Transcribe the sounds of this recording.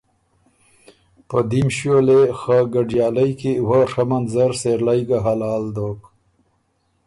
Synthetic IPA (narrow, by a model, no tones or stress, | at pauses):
pəd̪imɕjolexaɡaɖjɑːlajkiwaʂamanzaɾseɾlajɡaɦalɑːld̪ok